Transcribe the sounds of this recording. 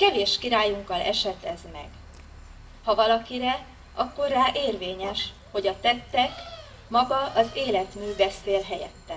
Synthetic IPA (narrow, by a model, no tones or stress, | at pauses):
kɛveːʃkiɾaːjuŋkɒlɛʃɛt̪ɛzmɛɡ̥ | hɒvɒlɒkiɾɛ | ʔɒkːo̞rːaːʔeːrveːɲɛʃ | ho̞ɟɒt̪ɛt̪ːɛk | mɒɡɒʔɒzeːlɛt̪myːbɛseːlɦɛjɛ̰t̪ːɛn